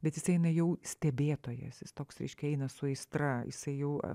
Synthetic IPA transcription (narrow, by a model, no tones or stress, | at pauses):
bʲɛt̪jɪsɛɪnɐjɛʊsʲt̪ʲɛbʲeːt̪oːjɛ̰sjɪst̪oːksɾʲɛ̰ɪʃʲkʲɛɛɪnɐsʊɛɪst̪ɾɐjɪ̰sɐɪjɛʊ̰